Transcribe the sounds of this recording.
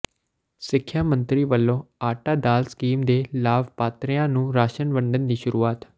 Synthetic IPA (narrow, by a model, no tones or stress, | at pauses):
sɪkʰːjaːmə̃nt̪ɾiːʋəlːõːaːʈaːd̪aːlskiːmd̪eːlaːbpaːt̪ɾɪjãːnũːɾaːʃənʋəɳɖənd̪iːʃʊɾuːaːt̪